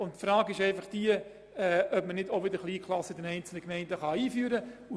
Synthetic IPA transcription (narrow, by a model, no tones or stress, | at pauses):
ʊntfɾɑːɡɪʃɛɪfɑχd̥iə | ɛʔœpbmənɪdoʋɪdəɾχliːkʰlˠɑsəd̥ɛnɛɪnt͡sl̩nəkmɛɪndəχɑiːfyːɾəu